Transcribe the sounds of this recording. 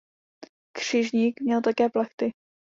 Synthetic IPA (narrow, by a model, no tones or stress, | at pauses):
kr̝̥ɪʒɲiːkmɲɛlt̪akɛːplaxt̪ɪ